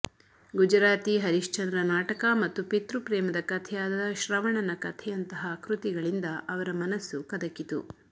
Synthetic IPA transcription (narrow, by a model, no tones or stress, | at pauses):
ɡud͡ʒɾaːt̪iɦɐɾiʂt͡ʃɐnd̪ɾɐnaːʈɐkɐmɐt̪ːupit̪ɾupɾɛːmɐd̪ɐkɐt̪ʰɛjaːd̪ɐd̪ɐʃɾɐʋɐɳɐnɐkɐt̪ʰɛjɐnt̪ɐɦɐkɾut̪iɡɐɭind̪ɐʔɐʋɐɾɐmɐnɐsːukɐd̪ɐkːit̪ṵ